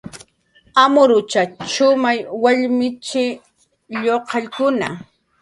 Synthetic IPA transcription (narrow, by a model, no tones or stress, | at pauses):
amʊɾʊt͡ʃat͡ʃʊmajwaʎmɪt͡ʃɪ | ʎoqɑʎkʊna̰